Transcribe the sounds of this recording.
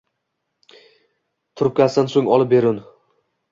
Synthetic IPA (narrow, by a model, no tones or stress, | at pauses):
t̪ʰʊɾɪp̚kʲasansoŋɒlˠɪp̚be̞ɾʊn